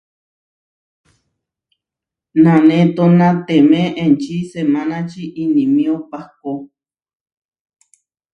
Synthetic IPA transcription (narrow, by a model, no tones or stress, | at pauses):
nãnẽt̪onãt̪emẽʔẽnt͡ʃisemãnãt͡ʃiʔinĩmĩõpako